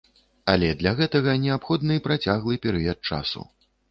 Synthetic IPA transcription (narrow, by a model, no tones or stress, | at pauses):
alʲɛd̪lʲaɣɛt̪ɐɣɐnʲɛapxɔd̪nɨpɾat͡sʲaɣlˠɨpʲɛɾɨjɐt̪̚t͡ʂa̰sṵ